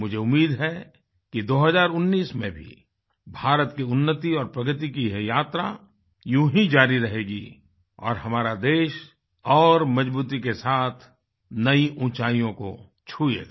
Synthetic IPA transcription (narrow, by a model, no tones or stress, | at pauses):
mʊd͡ʒʱeʊmːiːd̪ɦɛ | kid̪oːɦəzaːɾʊnːiːsmẽbʱḭ | bʱaːɾət̪kiʊnːət̪iɔːɾpɾɐɡət̪ikiɦjaːt̪ɾa̰ | jũɦĩd͡ʒaːɾiɾɐɦeːɡi | ɔ̰ːɾɦɐmaːɾad̪eːʃ | ɔːɾmɐd͡ʒbuːt̪̬ikesaːt̪ʰ | nɐiʔũːt͡ʃaːijõko̰ | t͡ʃʰuːḛa